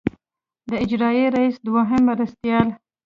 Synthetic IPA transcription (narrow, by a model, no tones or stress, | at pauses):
d̪əɪd͡ʒɾɑjeɾaisd̪waɦɪmːaɾast̪jɑl